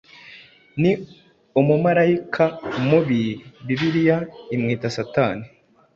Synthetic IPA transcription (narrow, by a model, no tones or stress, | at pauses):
ni | umumaɾaikʰamuβiβiβiɾijaimŋiːtasataːni